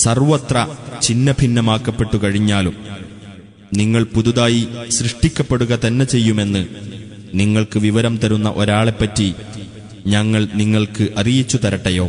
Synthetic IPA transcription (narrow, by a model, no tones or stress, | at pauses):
sɐrʋɐt̪rɐt͡ɕinːɐbʱinːɐmaːkːɐpːe̞pʈːukɐɻiɲːaːlum | niŋːɐɭpuðuðaːjiɕrɨʂʈikʲːɐpːe̞ɽuɣɐt̪ɐnːe̞t͡ɕe̞jːume̞nːɨ | niŋːɐɭkɨʋiʋɐɾɐmt̪ɐɾunːɐʔoɾaːɭepːɐtːi | ɲɐŋːɐɭniŋːɐɭkɨʔɐrijit͡ɕːut̪ɐɾɐʈːɐjo̞ː